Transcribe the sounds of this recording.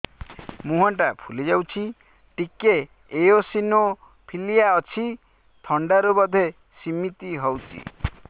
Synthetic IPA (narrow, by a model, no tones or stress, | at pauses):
muɦɔɳʈapʰulid͡ʒawt͡ʃʰi | ʈikeː | josino | pʰilijaɔt͡ʃʰi | t̪ʰɔɳɖaɾubɔd̪ʱe | simit̪iɦɔwt͡ʃʰḭ